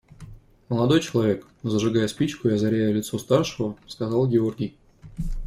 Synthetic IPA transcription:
məlˠɐd̪o̞jt͡ɕɪlˠɐvʲe̞k | zəʐɨɡajəspʲit͡ɕkʊjazɐɾʲæjəlʲɪt̪sost̪arʂɨvəskɐzɑlˠɡʲɪorɡʲɪj

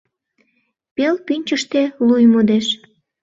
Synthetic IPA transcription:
pelpynʲt͡ɕəʃt̪elujmod̪eʃ

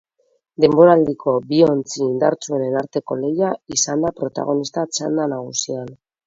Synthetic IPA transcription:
d̪e̞mbo̞ɾaːld̪ikʰo̞bio̞nt͡siːnd̪a̰ɾt͡sue̞ne̞naɾt̪e̞ko̞le̞jaisand̪apɾo̞t̪a̰ɣ̞o̞nist̪at͡ʃand̪anaɣ̞usian

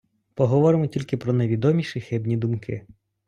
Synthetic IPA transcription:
pɔɦɔʋɔɾɪmɔtʲilʲkɪpɾɔneʋʲid̪ɔmʲiʃixɪbnʲid̪ʊmkʰɪ̰

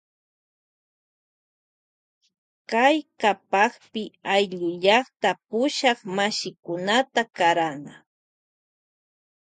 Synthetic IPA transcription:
kajkapɑχpɪajʎʊʎɑχt̪apʊʃɑχmaʃɪkʊnat̪akaɾana

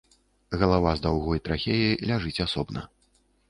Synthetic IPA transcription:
ɣɐlˠavazd̪awɣɔjt̪ɾaxʲejilʲaʐɨt͡sʲasɔbnɐ̰

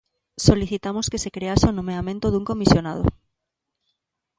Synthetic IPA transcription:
soliθit̪amoskesekɾeaseonõmeamẽnt̪oðuŋkomisjonað̞o̰

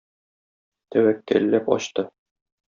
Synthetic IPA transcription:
t̪ʰæwækːæ̰ɾlːæpɒ̰ɕt̪ɤ

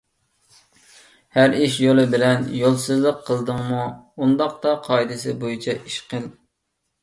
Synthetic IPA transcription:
hæɾiʃjolˠɨbɪlɛnjolˠsɨzlˠəqʰːəlˠd̪ɨŋmuund̪ɑq̚t̪ɑqʰɑjd̪ɨsɪbojit͡ʃʰɛʔiʃqəlˠ

